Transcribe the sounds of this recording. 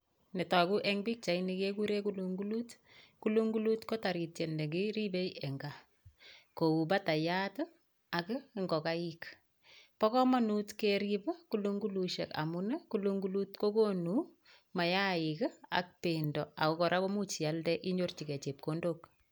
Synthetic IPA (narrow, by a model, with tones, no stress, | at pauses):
nɛ˨ta˨ku˦ʔɛ˦ŋbi˦k̚t͡ʃa˨inikeku˦ɾe˦ku˦luŋɡulut | ku˦lu˦ŋɡulutko˦ta˨ɾi˨te˨nde˨ɡi˦ɾi˦be˦jɛ˨ŋɡa | ko˨u˨ba˦ta˨jatə | a˨kŋɡɔ˨ka˦ik | pɔ˦kɔ˦ma˦nutkeɾipə˦kulu˦ŋɡu˦luʃḛ˨ka̰˨munəkuluŋɡu˦lu˦tko˦ko˦nu | ma˨ja˦i˨ka̰˨k̚pendɔ˨a̰˨kɔ˦kɔ˨ɾa˦ko˦mu˦t͡ʃi˨a˦ldɛʔi˦ɲo˦rt͡ʃi˨kɛ˨t͡ʃe˨p̚kondok